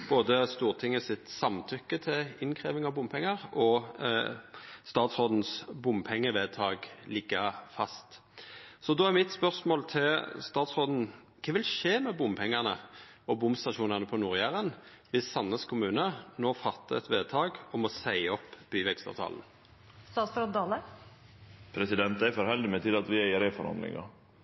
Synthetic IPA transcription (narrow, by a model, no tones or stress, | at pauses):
b̥oːd̪əst̪uːʁt̪ʰɪŋːəsɪt̪sɑmt̪ʰʏkːət̪ʰɪɪnkʰʁḛːʋɪŋɑbʊmpʰɛŋːɑʁɔ | st̪ɑːt̪sʁoːd̪n̩sbʊmpʰɛŋːəʋeːd̪̚t̪ʰɑːɡlɪɡːəfɑst̪ | sɔd̪oːæʁmɪt̪spœʁsmoːlt̪ʰɪlst̪ɑːt̪sʁoːd̪n̩ | kʰeːʋɪlʂeːmɛbʊmpʰɛŋːɑʁnəɔbʊmst̪ɑʃuːnɑʁnəpʰɔnʊʁjæʁən | ʋɪsːɑnːəskʰʊmʉːnənoːfɑt̪ːəɛt̪ʋeːd̪̚t̪ʰɑːɡɔmɔsæɪəɔpːb̥yːʋɛkst̪ɑ̰ʋt̪ʰɑ̰ːln̩ | st̪ɑːt̪sɾoːd̪d̪ɑlə | pʰɾɛsɪd̪ɛnt̪æɪfɔɾhɛld̪ɪmɛt̪ʰɪlɑt̪ʋɪæɪəɾæfɔɾhɑ̰nd̪lɪ̰ŋɑ̰